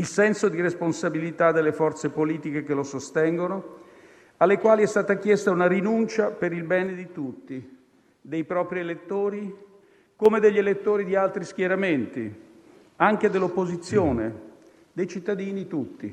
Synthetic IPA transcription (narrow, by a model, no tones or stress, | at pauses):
ilsɛnsod̪iresponsabilit̪ad̪ːelːefɔrt̪sepoliːt̪ik̟ekelosost̪ɛŋɡono | alːekwaːliɛst̪aːt̪akjɛst̪aunaɾinunt͡ʃapeɾilbɛːned̪it̪ut̪ːi | d̪ejpɾɔːpɾielet̪ːoːɾi | komed̪eʎːelet̪ːoːɾid̪ialt̪ɾisk̟jeɾament̪i | aŋk̟ed̪elːopːozit̪sːjoːne | d̪ejt͡ʃit̪ːad̪iːnit̪ut̪ːḭ